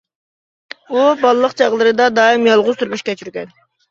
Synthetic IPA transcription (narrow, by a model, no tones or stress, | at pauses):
ubɑlˠlˠəqt͡ʃʰɑʁlˠəɾɨd̪ɑd̪ɑːimjɑlˠʁʊzt̪ʰyɾmyʃkʲʰɛt͡ʃʰyɾɡʲɛn